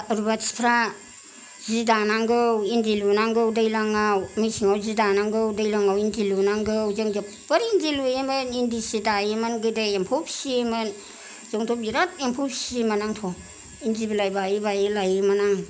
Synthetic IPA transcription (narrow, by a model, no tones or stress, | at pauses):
aɾubasi̥pʰɾa | zidanaŋɡɯwindilunaŋɡɯwdajlaŋawmisiŋawzidanaŋɡɯwdajlaŋawindilunaŋɡɯwzɯŋd͡ʒapbɐɾindilujemɯnindisidajimanɡɯdaempʰupsimɯn | z̥ɯŋtʰɔbiɾat̚empʰup̚simanaŋtʰɔ | indibilajbajibajilajimanaŋ